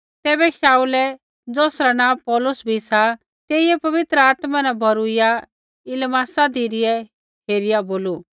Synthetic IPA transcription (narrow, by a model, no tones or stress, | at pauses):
t̪ɛːbɛʃaːulɛ | d͡zoːsɾanãːpɔːlʊsbʱisa | t̪eːɪjɛpɐʋɪt̪ɾəaːt̪manabʱɔɾuɪja | ɪlmaːsad̪ʱiːɾɪjɛ | ɦeːɾɪjaboːlu